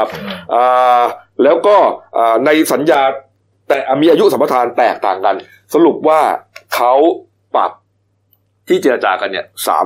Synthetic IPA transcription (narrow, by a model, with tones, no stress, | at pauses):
p̚ʔaː˨˩lɛː˦˥wkɔː˥˩ʔaː˨˩na˧jsa˩˦njaː˧ | t̪ɛː˨˩ʔmiː˧ʔaː˧ju˦˥ʔsa˩˦pa˧t̪ʰaː˧nt̪ɛ̰ː˨˩k̚t̪a̰ː˨˩ŋka˧n | sa˧ɾu˨˩p̚waː˥˩kʰa˦˥w | pa̰˨˩p̚ | t̪ʰiː˥˩t͡ɕi˨˧ɾa˧t͡ɕaː˧ka˧nːi˥˩ɐsa̰ː˩˦